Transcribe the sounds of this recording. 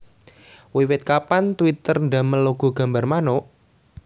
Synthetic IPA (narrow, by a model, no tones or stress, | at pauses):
wiwɪt̪̚kapant̪wit̪ərnɖa̤məloɡ̥ṳɡ̥a̤mba̤rmanoʔ